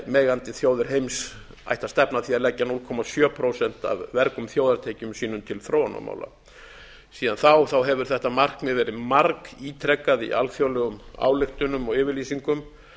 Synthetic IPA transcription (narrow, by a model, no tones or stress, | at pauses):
mɛːɣant̪ɪθjowðʏɾ̥ɦejms | a̰jht̪ast̪ɛpnaθiaɾlɛcːanulkʰɔmasjœːpʰɾowsɛn̥t̪a̰vːɛɾkʏmθjoːwðaɾt̪ʰeːjcʏmsiːnʏmt̪ʰɪlθɾowna̰ma̰ːwla̰ | siːðanθawθawɦɛvʏɾ̥θɛht̪amar̥kmɪðvɛːɾɪmaɾkiːt̪ʰɾɛkːaðḭʔalfjowlɛɣʏma̰ːwlɪxt̪ʏnʏmɔɣɪːvɪɾliːsiŋkʏm